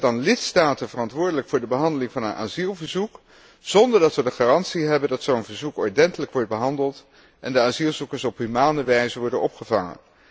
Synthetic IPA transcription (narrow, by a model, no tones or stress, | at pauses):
dɑnlɪtstaːtənvərɑntʋʊːɹdələkfʊːɹdəbəɦɑndəlɪŋvɑnənʔa̰ːzilˠvəɹzuk | z̥ɔndəɹdɑtʋədəχaːrɑntsiɦɛbəndɑtsownvəɹzukɔɹdɛntələkʋɔɹt̚bəɦɑndəlˠt | ʔɛndəaːzilˠzukəɹsɔpɦymaːnəʋɛjzəʋɔɹdənɔpχəvɑŋə̰n